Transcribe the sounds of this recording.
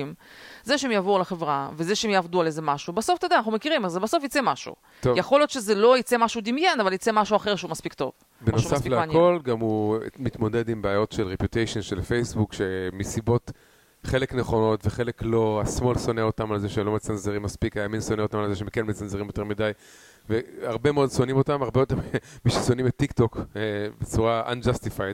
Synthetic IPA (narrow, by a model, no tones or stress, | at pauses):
mzeʃeemjavoulaχevʁavezeʃeemjaːvd̪ualezemaʃubaso̞ft̪od̪anaχnumekiʁimezebaso̞fjit͡se̞maʃṵ | tovjaχo̞ljo̞t̪ʃezelo̞jit͡semaʃud̪imje̞navaljit͡se̞maʃuaχe̞ʁʃeumaspikto̞̰v | bemanoʃusafleaanko̞lɡamumit̪mo̞d̪e̞d̪imbaːjo̞tʃelʁepjut̪ejʃonʃelfejsbukʃemisibo̞t | χe̞lekneχo̞no̞tveχe̞le̞klo̞asmo̞lso̞neo̞tamalzeʃelo̞met͡sanzeʁimːaspikajaminso̞neo̞t̪amalzeʃemikenmet͡sanzeʁimjo̞t̪eʁmid̪aj | veaʁbemeo̞dso̞nimotamaʁbeot̪eʁmiʃeso̞nimetːikto̞kebet͡suʁaʔa̰nd͡ʒast̪ifajt